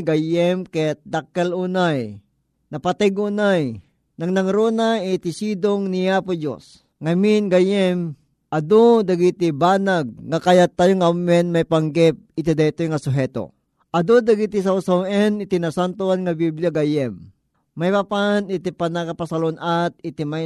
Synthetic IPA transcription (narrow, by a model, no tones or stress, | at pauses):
ɡajɛmkɛt̪̚d̪akːɛlunaj | nɐpat̪ɛɡunaj | nɐŋnɐŋɾonaɪt̪isid̪oŋnijapod͡ʒo̰s | ŋaminɡajɛm | ʔɐd̪od̪aɡit̪ibaːnaɡ̚ŋakajat̪ːaːjoŋamɛnmajpaŋɡɛp̚ɪt̪id̪at̪ojŋasʊɦɛt̪o̰ | ʔɐd̪od̪aɡit̪is̬awsawɛnɪt̪inasant̪oanŋabibljaɡajɛmː | ajpapanɪt̪ipanakapasalonat̪̚ɪt̪ima